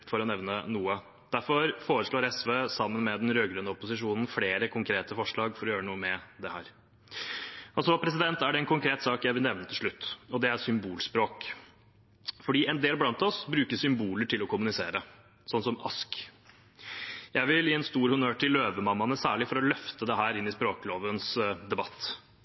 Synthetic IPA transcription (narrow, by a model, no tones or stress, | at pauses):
fɔɾɔnɛʋnənuːə | d̪̥æɾfɔɾfoːɾəʂɭoːɾɛsʋeːsɑmːənmɛd̪ɛnɾøːɡɾœnəʊpʊsɪʂuːnn̩fleːɾəkʰʊŋkʰɾeːt̪əfɔʂɭɑːɡfɔɾɔjøːɾənuːəmɛd̪ɛhæːɾ | ʔɑlsɔpʰɾɛs̬ɪd̪ɛnt̪æɖɛɛnkʊŋkʰɾeːt̪sɑːkjæɪʋɪlɛʋnət̪ɪlʂɭʉt̪ːɔd̪ɛæsʏmbuːlspɾoːk | fɔɖiːɛnd̪eːlblɑnt̪ɔsbɾʉːkəsʏmbuːləʈʰɪlɔkʊmʉnɪsḛːɾə | sɔnːsɔmɑ̰sk | jæɪʋɪljiːɛnst̪uːɾhʉnøːʈʰɪlːøːʋəmɑmːɑnəsæːɭɪfɔɾɔlœft̪əd̪ɛɦæːɾɪnːɪspɾoːkloːʋənsd̪ɛbɑt̪ː